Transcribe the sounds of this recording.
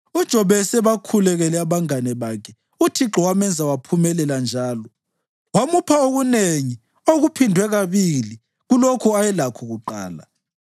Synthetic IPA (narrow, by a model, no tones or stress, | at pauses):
ud̥ʒ̥ʱɔβɛsɛβakʰulɛɣɛlɛaβaŋanɛβakʰɛ | utʰiǁɔwamɛnd͡zʱawapʰumɛlɛland͡ʒʱaːlɔ | wamupʰaoɣuneŋi | oɣupʰindʱwɛɣaβili | ɣulokʰɔajɛlakʰɔɣuǃa̰ːla̰